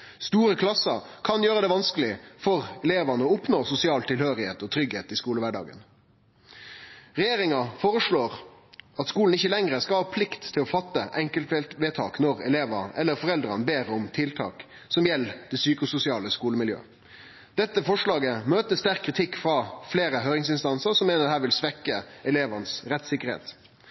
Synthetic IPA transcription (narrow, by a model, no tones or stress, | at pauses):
st̪uːɾəkʰlɑsɑkʰɑnjøːʁəd̪ɛʋɑnskəlɪfɔʁɛleːʋɑnəɔʊpnoːsʊsɪɑːlt̪ʰɪlhøːɾɪheːt̪ɔt̪ʰɾʏɡheːt̪ɪskuːləʋæɖɑ̰ːɡə̰n | ʁɛjeːɾɪŋɑfoːɾəʂɭoːʁɑt̪skuːln̩ɪçːəlɛŋʁəskɑlhɑːpʰlɪkt̪ʰːɪlɔfɑt̪ːəʔɛŋkəlt̪ʋet̪ʰɑ̰ːknɔʁɛleːʋəʔɛlːəɾfɔʁɛld̪ɾɑnbeːɾəɔmt̪ʰɪlt̪ʰɑ̰ːk | sɔmjɛlːd̪̥ɛsyːkʊsʊsɪɑːləskuːləmɪljø̰ː | d̪̥ɛt̪ːəfɔʂlɑːɡəmøːt̪əst̪æɾkʰːʁɪt̪ʰɪkːfɾɑːfleːɾəɦøːɾɪŋsɪnst̪ɑnsəɾsɔmːeːnəd̪hæːɾʋɪlsʋɛkːəɛleːʋənsɾɛt̪ːsɪkəɾhḛːt̪